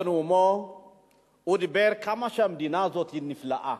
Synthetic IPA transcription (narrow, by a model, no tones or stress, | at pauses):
nwumɔ | udibɛɾkamaʃamdinazɔt̪inːifla̰ʔa